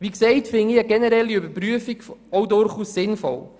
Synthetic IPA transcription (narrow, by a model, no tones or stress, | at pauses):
ʋiksɛɪtfɪniəɡɛnɛɾɛlːiøbəɾpɾyəfikfɔwdʊɾχuːsːɪnfɔ̰l